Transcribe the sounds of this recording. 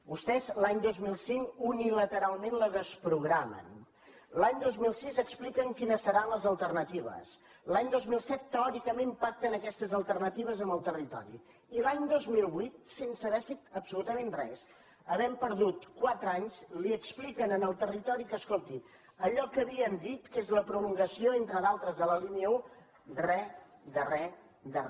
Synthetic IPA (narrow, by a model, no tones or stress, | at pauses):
bust̪ɛzlaɲd̪ozmilˠsiŋkunilət̪əɾalˠmenləzəspɾuɣɾamə̰n | laɲd̪ozmilˠsizəksplikəŋkinəsəɾanləzəlˠt̪ərnət̪iβə̰s | laɲd̪ozmilˠsɛt̪ːəɔɾikəmẽmpak̚t̪ənəkɛst̪əzəlˠt̪ərnət̪iβ̞əzəmbəlˠt̪ərit̪ɔ̰ɾḭ | ilaɲd̪ozmilˠβuit̪̚sensəβɛfet̪əpsulut̪əmenrɛ̰s | əβɛmpəɾðut̪kwat̪ɾəaɲzliəksplikənənəlˠt̪ərit̪ɔɾikəskolˠt̪i | əʎɔkəβiənd̪it̪kezləpɾuluŋɡəsioent̪ɾəðalˠt̪ɾəzðələliniəu | rɛd̪ərɛ | d̪ər